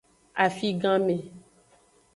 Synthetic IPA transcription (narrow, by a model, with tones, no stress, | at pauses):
a˨fi˦ɡã˦mẽ˨